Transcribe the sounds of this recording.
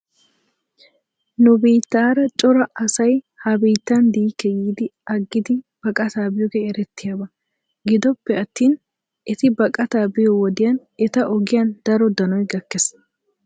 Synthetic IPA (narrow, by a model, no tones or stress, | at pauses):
nʊbiːt̪ːaːɾɐt͡ʃʼɔɾɐɐsɐj | hɐbiːt̪ːɐnd̪iːkːɛjiːd̪ɪɐɡːɪd̪ɪ | b̥ɐkʼɐt̪aːbɪjɔɡɛɛɾɛt̪ːɪjaːbɐ | ɡɪd̪ɔpːɛɐt̪ːiːn | ɛt̪ɪbɐkʼɐt̪aːbɪjɔwɔd̪ɪjɐn | ɛt̪ɐʔɔɡɪjɐnd̪̥ɐɾɔd̪ɐnɔjɡɐkːɛs